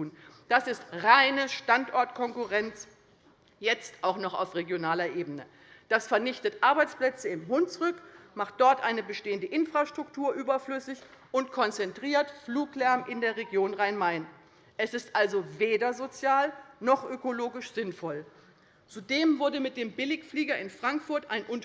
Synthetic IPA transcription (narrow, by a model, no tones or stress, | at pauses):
uːn | d̥asɪstʁaɪnəʃtantʔɔɐtkʰɔŋkuʁɛnt͡s | jɛt͡stʔaʊxnɔχa̰ʊfʁeɡjonaːlɐʔeːbənə | d̥asfɛɐnɪçtətʔaɐbaɪt͡spl̥ɛt͡səɪmɦʊntt͡sʊʁʏkmaχt̚d̥ɔɐtʔaɪnəbəʃteːəndəʔɪnfʁ̥aʃtʁ̥ʊktʰuːɐʔyːbɐflʏsɪç | ʔʊntkʰɔnt͡sɛntʁ̥iːɐtfluːklɛɐmʔɪndeːɐʁeɡjoːnʁaɪnmaɪn | ʔɛsɪstʔalzoveːdɐzot͡sjaːlnɔχʔøkoloːɡɪʃz̥ɪnfɔl | t͡sudeːmvʊɐdəmɪt̚d̥eːmbɪlɪçfliːɡɐɪnfʁ̥aŋkfʊɐtaɪnʔʊnt